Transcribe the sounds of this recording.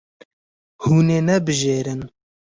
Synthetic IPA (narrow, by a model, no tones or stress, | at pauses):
huːneːnɛbɨʒeːɾɨn